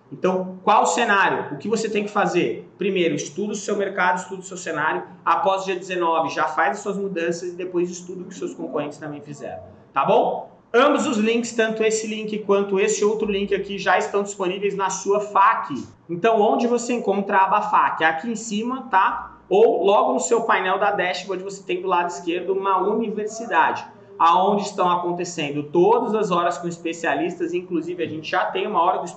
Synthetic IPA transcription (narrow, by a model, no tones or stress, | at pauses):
ẽnt̪ɐ̃w̃kwawʊsenaɾjʊʊkɪvoset̪ẽj̃kɪ̥fazeɾpɾimejɾʊɪst̪ud̪ʊʊsewmeɾkad̪ʊist̪ud̪ʊʊsewsenaɾjʊ | apɔzd͡ʒiɐd͡ʒɪzenɔvɪʒafajzɐsuɐzmud̪ɐ̃sɐzɪd̪epojzɪst̪ud̪ʊkɪʊsewskõŋkohẽnt͡ʃɪ̥st̪ɐ̃mbẽj̃fizɛ̰ɾɐ̃w̃ | t̪abõw̃ | ɐ̃bʊzʊzlĩkɪ̥st̪ɐ̃nt̪ʊesɪlĩŋkɪkwɐ̃nt̪ʊesɪowt̪ɾʊlĩkɪakiʒaɪst̪ɐ̃w̃d͡ʒisponivejznɐsuɐfakɪ | ẽt̪ɐ̃w̃õnd͡ʒɪvoseẽŋkõnt̪ɾavɐafakɪakiẽsĩmɐt̪a | owlɔɡʊnʊsewpajnɛwd̪ɐd̪ɛst͡ʃmõd͡ʒɪvose̥t̪ẽj̃d̪ʊlad̪ʊiskeɾd̪ʊnɐuniveɾsid̪ad͡ʒɪ | aõnd͡ʒɪst̪ɐ̃w̃akõnt̪esẽnd̪ʊt̪od̪ɐzɐzɔɾɐskõispesialist̪ɐzĩŋkluzivɪaʒẽnt͡ʃɪʒat̪ẽj̃ũmɐɔɾɐd̪ʊis